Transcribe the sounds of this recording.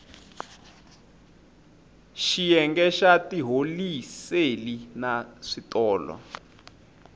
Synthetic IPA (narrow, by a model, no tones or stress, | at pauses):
ʃijɛŋɡɛʃatiɦoliselinaʂitɔːlɔ̰